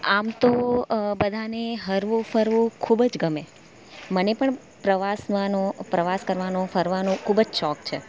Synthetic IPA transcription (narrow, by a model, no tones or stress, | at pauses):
amt̪obəd̪ʱaneɦəɾʋũfəɾʋũkʰubd͡ʒɡəme | mənepəɳ | pɾəʋasʋanõpɾəʋaskəɾʋanõfəɾʋanũkʰubəd͡ʒʃɔkt͡ʃʰe